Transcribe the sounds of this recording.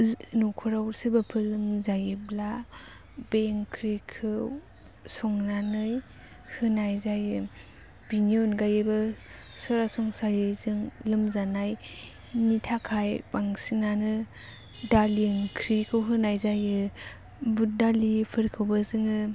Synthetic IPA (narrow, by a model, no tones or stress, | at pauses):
nukʰɔɾawɾsɯbapʰɯlɯmzajɯbla | beŋkʰɾikʰɯw | sɔŋnanɯj | hɯnajzajɯ | b̥iniɔnɡajɯbɯ | sɔɾasɔŋsajɯzɯŋlɯmzanaj | nitʰakʰajbaŋsinanɯ | daliŋkʰɾikʰɯwɦɯnajzajɯ | budalipʰɯɾkʰɯwbɯzɯŋɯ